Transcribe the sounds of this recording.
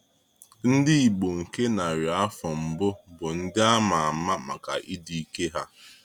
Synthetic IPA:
n̩˦dɪ˦i˨ɡ͡bo˨ŋ̩˨ke˦na˨ɾi˨a˦fɔ˨m̩˨bʊ˦bʊ˨n̩˦dɪ˦a˦ma˨a˨ma˦ma̰˨ka̰˨ʔi˦di˦i˦ke˦ɦa˦

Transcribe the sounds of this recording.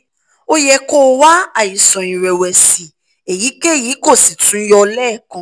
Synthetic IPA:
o˦jɛ˧ko˦˨wa˦a˦˨ji˨sɔ̃˨ĩ˨ɾɛ˨wɛ˨si˨ | e˨ji˨˦ke˦˨jiː˨˦ko˦˨si˨tʰũ˨˦jɔ˧lɛː˦˨kɔ̃˧˦

